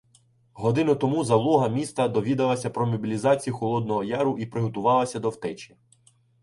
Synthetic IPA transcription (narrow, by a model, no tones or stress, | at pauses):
ɦɔd̪ɪnʊt̪ɔmuzɐlˠɔɦɐmʲist̪ɐd̪ɔʋʲid̪ɐlˠɐsʲɐpɾɔmʲɔbʲilʲizɑt͡sʲijuxɔlˠɔd̪̚nɔɦɔjɑɾʊʔipɾɪɦɔt̪ʊʋɑlˠɐsʲɐd̪ɔwt̪ɛt͡ʃi